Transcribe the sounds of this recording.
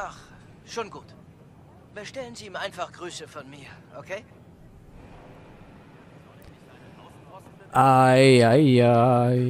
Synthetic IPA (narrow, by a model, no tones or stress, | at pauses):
aχ | ʃoːnɡuːt | bəʃtɛlənziːmʔaɪnfaχɡ̥ʁyːsəfɔnmiːɐʔokʰeː | ʔaajja